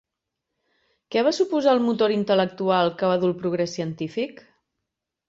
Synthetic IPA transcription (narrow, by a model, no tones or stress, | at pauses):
kɛβ̞asupuzalˠmut̪oɾint̪ələk̚t̪ualˠkəβaðulˠpɾuɣɾɛsiənt̪ifik